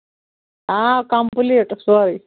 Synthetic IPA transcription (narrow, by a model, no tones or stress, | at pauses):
akampuliʈsuaɾi